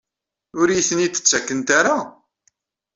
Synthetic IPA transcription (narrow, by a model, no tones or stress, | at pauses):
ʊɾjiθənit̪ːə̥t͡sːækːənt̪aɾa